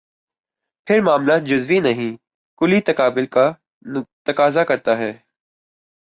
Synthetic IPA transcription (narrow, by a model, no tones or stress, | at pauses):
pʰɪɾmaːmlaːt̪̚d͡ʒʊzʋinɐɦĩ | kʊlit̪ɐkaːbɪlka | t̪ɐkaːzakɐɾt̪aɦɛː